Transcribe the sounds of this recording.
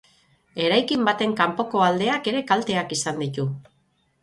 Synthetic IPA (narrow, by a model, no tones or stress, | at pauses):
e̞ɾajkimbat̪e̞ŋkampo̞ko̞ald̪e̞ake̞ɾe̞kalt̪e̞akisand̪it̪u